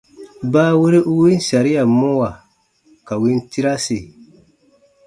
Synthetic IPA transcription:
baː˦we˦ɾe˦ʔu˦wi˦n˦sa˨ɾi˦a˨mʊ˦wa˨ | ka˨wi˦n˦ti˦ɾa˦si˨

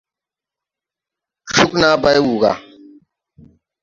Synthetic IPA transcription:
ʃu˦knaː˦ba˦jwuː˨ɡa̰ː˨

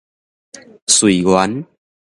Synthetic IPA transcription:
swi˨˩ɡwa˨˦n

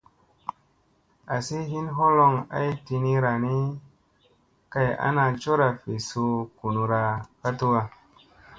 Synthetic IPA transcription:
a˨si˦ɦi˦nɦo˦lo˧ŋa̰˦jti˧ni˦ɾa˨ni˦ | ka˦˧ja̰˦na˧t͡ʃo˦ɾa˨fe˨su˧ku˨nu˧ɾa˧ka˦tu˦a˧

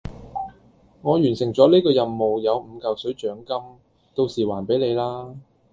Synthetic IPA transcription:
ŋɔː˨˧jyː˨˩nsɪ˨˩ŋt͡sɔː˨˥liː˥kɔː˧jɐ˨mːo˨wjɐ˨˧wm̩˨˧kɐ˨wsɵ˨˥ɥt͡ʃœː˨˥ŋkɐ˥m | t̪o˧wsiː˨˩waː˨˩npe˨˥jle˨˧jlaː˥

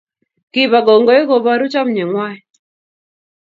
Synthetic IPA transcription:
ki˦βa˨ɡɔ˨ŋɡɔ˦i˦ɣɔ˨βa˦ɾu˦t͡ʃa˦m̩˨ɲɛ˨ŋwa˦ɛ˨

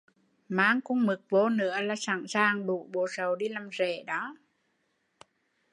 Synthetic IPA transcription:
maː˨˦ŋkʊ˧˥ŋ͡mmɨ˨˩k̚vo˧˦nɨ̰˧˥əlaː˨˩saː˧˩ŋsaː˨˩ŋɗṵ˧˩˨ɓo˧˩sə˨˩wɗi˧laː˨˩mze˧˩˨ɗɔ˨˦

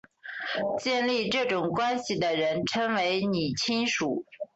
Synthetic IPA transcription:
t͡ɕjɛ˥˧nli˥˧ʈ͡ʂɤ˥˩ʈ͡ʂʊ˨˩ŋkwa˥nɕi˨d̪ə˩ɻə˧˥nʈ͡ʂʰɤ˥ŋwe˧˥ɪni˨˩t͡ɕʰi˥ŋʂu˨˩˦

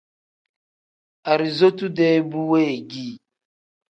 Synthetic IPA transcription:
a˨ɾi˨zo˦tu˦dɛ˦bu˦we˦˨ɡi˦˨

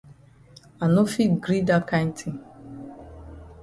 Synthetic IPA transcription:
a˨no˦fi˦tɡɾi˦da˦kã˦jn˦tʰi˨

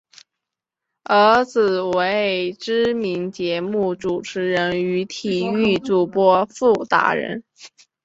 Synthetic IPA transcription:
ə˧˥t͡sɹ̩˨˩we˧˥ɪʈ͡ʂɻ̩˥mi˧˥nt͡ɕjɛ˧˥mu˥˩ʈ͡ʂu˨˩ʈ͡ʂʰɻ̩˧˥ɻə˧˥ny˧˥t̪ʰi˨˩y˥˧t͡su˥˩pwɔ˥fu˥˩t̪a̰˧˥ɻə̰˧˥n

